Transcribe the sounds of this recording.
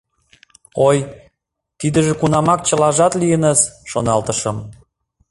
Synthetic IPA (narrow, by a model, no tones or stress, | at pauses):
oj | t̪id̪ə̆ʒĕkunɑmɑk̚t͡ɕəlɑʒɑt̪lijənəzʃonɑlt̪əʃə̆m